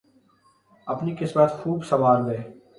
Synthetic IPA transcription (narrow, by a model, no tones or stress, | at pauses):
əpniːkɪsmət̪xʰuːbsəʋaːɾd̪eː